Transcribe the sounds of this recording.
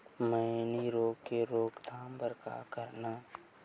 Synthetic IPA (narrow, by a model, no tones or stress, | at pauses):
məniɾoːɡkeɾoːɡd̪ʱaːmbəɾka̰kəɾnaː